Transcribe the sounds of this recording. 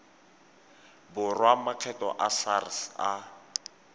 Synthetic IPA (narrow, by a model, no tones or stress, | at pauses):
bʊrwamaq͡χʰɛtɔ̰ʔasarsa